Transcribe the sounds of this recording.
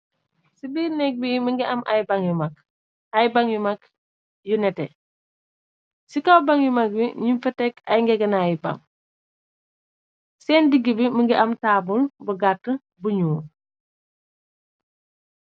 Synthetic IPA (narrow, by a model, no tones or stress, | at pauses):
sibiːɾnɛk̚biməŋɡiɐmʔajbaŋjumak̚ | ajbaŋjumak | junɛtɛ | sikawbaŋjumak̚biɲumfɐtɛkɐjŋɡɛɡɐnajbɐ̰ŋ | sɛːndiɡːibiməŋɡiʔɐmtaːbulbɐɡatːə | buɲuː